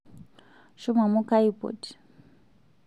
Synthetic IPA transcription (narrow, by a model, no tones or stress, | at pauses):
ʃumamukaipɔ̰t